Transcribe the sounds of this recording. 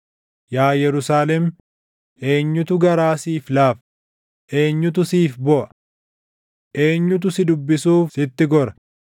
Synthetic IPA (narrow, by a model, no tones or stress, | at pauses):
jaːjɛɾʊsaːlɛm | ʔe̞ːɲːʊt̪ʊɡɐɾaːsiːflaːf | ʔe̞ːɲːʊt̪ʊsiːfbɔʔɐ̥ | ʔe̞ːɲːʊt̪̬ʊsɪd̪ʊbːɪsuːfsɪt̪ːɪɡɔɾɐ